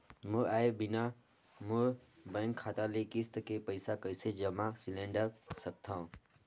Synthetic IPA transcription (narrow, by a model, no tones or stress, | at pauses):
mũaːebɪna | mũbə̃ŋkʰːaːt̪alekist̪kepəɪsakəised͡ʒəmasilẽːɳɖəɾsək̚t̪ʰã